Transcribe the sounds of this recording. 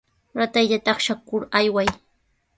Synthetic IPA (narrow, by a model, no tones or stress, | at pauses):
ɾat̪ajʎat̪ɑχʃakʊɾajwaj